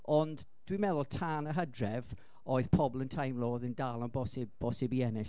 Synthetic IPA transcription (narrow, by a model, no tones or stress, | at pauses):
ɔnd | d̥wimɛðɔlˠtʰaːnəɦədrɛv | oːɨð̥pʰɔblˠəntʰajmlˠoːðəndalˠɔnbɔsɪbb̥ɔsɪbiɛnɪɬ